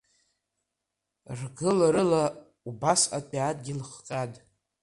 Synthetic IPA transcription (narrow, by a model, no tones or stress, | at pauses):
rɡɨlaɾɨla | ubasapʼiatʼɡʲilχqʲʼadʼ